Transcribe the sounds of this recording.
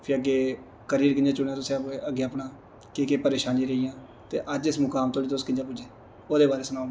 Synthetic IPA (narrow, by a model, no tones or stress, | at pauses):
pʰɪəɡeː | kəɾiːɾkɪnd͡ʒaːt͡ʃʊɳːaːt̪ʊsĩəpeəɡːeːəpnãː | keːkeːpəɾeːʃaːnliːɾeijãː | t̪ḛːʔəd͡ʒɪsmʊkaːmt̪oːɽiːt̪ʊskɪnd͡ʒaːpʊd͡ʒeː | oːd̪eːbaːɾeːsənaːnː